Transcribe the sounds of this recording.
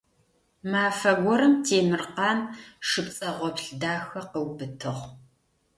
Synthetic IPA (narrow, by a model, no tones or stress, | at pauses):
maːfɐɡʷɔɾɐmtʰeːmɨrqɑːnʂɨpt͡sʼɐʁʷɔpɬdaːxɐqəwbɨtʰɨʁ